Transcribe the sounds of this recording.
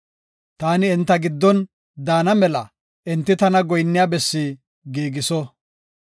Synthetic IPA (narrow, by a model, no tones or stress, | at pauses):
t̪aːnɪːnt̪ːɐɡɪd̪ːɔn | d̪aːnɐmɛlɐ | ʔɛnt̪ːɪt̪ɐnɐɡɔjnːɪjaːbɛsːiː | ɡiːɡɪsɔ